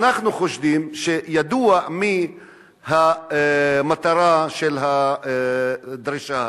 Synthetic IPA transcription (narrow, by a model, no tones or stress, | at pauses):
naχnuχoʃvimʃejad̪uami | ha | mat̪aɾaʃelɦa | d̪ɾiʃa